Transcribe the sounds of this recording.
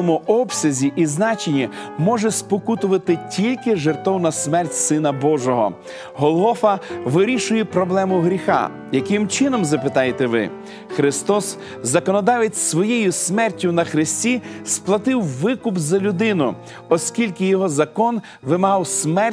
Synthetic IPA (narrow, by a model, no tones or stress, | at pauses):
ɔmʊɔbsʲɐzʲiʔiznɑt͡ʃenʲimɔʒɛspɔkut̪ʊʋɐt̪ɪtʲʰilʲkɪʒert̪ɔwnɐsmɛrtʲsɪnɐbɔʒɔɦɔ̰ | ɦɔlˠɦɔfɐʋɪɾʲiʃʊjɛpɾɔblˠɛmʊɦɾʲixɑ̰ | jɐkɪmt͡ʃɪnɔmzɐpɪt̪ɑjet̪ɛʋɪ̰ | xɾɪst̪ɔs | zɐkɔnɔd̪ɑʋɪt͡sʲsʋɔjejʊsmɛrtʲːʊnɐxɾɪsʲtʲisplˠɐt̪ɪwʋɪkʊbzɐlʲʊd̪ɪnʊ | ɔsʲkʲilʲkɪjɔɦɔzɐkɔn | ʋɪmɐɦɑwsmɛr